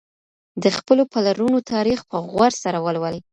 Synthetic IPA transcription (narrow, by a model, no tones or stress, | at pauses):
d̪əxpəlopalaɾunot̪ʰɑɾixpəɣwaɾsaɾawəlwəlj